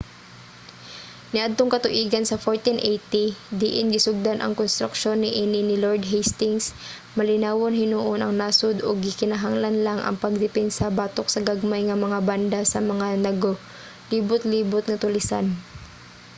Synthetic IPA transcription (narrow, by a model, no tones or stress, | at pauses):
nɪʔad̪̚t̪oŋkɐt̪ʊʔiːɡɐnsɐfoɹt̪inʔejt̪id̪iʔɪnɡɪsʊɡ̚d̪anʔɐ̰ŋkonst̪ɾʊkʃo̞nːɪʔiːnɪnɪloɹd̪̚ɦɛjst̪ɪŋs | mɐlɪnaːwonɦɪnuʔonɐŋnaːsod̪oɡ̚ɪkɪnaɦaŋlanlaŋʔɐ̰ŋpɐɡ̚d̪ɛpɛnsabaːt̪ok̚sɐɡaɡ̚majŋɐmɐŋaband̪asɐmɐŋanɐɡ | liːbʊt̪̚liːbʊt̪̚ŋɐt̪ʊlɪsa̰n